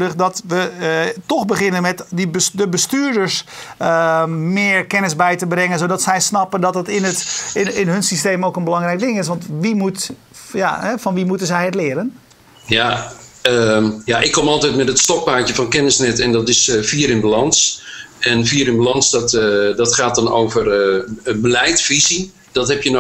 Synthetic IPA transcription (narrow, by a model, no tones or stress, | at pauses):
dəχdɔtʋətɔxbəχɪnənmɛtdəbəsdəbəstyːɹdəɹs | mɪːəɹkɛnɪsbɛjtəbrɛŋənsodɔtsɛjsnɑpəndɔtɦətɪnətɪnɦɵnsisteːmoːkənbəlɑŋrɛjk̚dɪŋɪsʋɑntʋimut | ja̰ɦɛfɔnʋimutənzɛjətlɪəɾən | jaəjaʔɪkʰːomɔlˠtɛjtmɛtətstɔk̚paːtjəvɔnkɛnɪsnɛtɛndɔtɪsfiːəɾɪnbalɑnsɛnfiːəɾɪnbəlɑnsdɔtdɔtχaːtdɔnowvərbəlɛjtfizi | d̥ɔtɦɛpjən